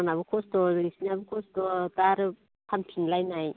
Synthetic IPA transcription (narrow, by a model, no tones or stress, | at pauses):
naβɯkʰɔsdɔɾisiniabɯkʰɔstɔtaɾɯ | pʰanpʰinlajnaj